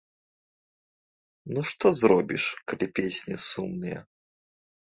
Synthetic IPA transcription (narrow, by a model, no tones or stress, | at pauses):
nuʂt̪ɔzrɔbʲiʂkɐlʲipʲesʲnʲisumnɨjɛ̰